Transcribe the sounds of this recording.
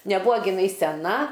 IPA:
nʲɛˈbuɔ ɡʲɪˈnɐɪ sʲɛˈnɐ

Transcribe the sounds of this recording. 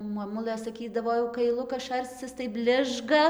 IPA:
moːˈmʊlˠɘ sɐˈkʲiːdɐʋoː jɛʊ kɐɪˈlˠʊkɐs ˈʃɐrʲt͡sʲɪs tɐɪ ˈbʲlʲɪʒɡɐ

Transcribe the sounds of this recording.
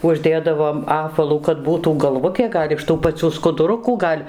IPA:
ˈʊʒʲˈdʲeːdɐʋoːm ˈɑːpʋɐlˠuː kɐt ˈbuːtuː ɡɐlˠˈʋʊtʲeː ˈɡɐlʲ ɪʃ ˈtuː pɐˈt͡sʲuː skʊdʊˈrʊkuː ˈɡɐlʲ

